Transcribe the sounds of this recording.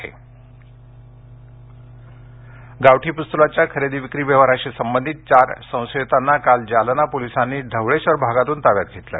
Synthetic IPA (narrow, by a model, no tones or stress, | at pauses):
ḛ | ɡaʋʈiːpust̪ulat͡ɕjakʰəɾed̪iʋikɾiːʋeʋəɾaɕisəmbənd̪ʱit̪̚t͡ɕaɾsə̃w̃set̪anːakald͡ʑalənapolisanːiːɖʱəʋɭeɕʋəɾbʱaɡat̪uːnt̪aʋja̰t̪̚ɡʱet̪lə̰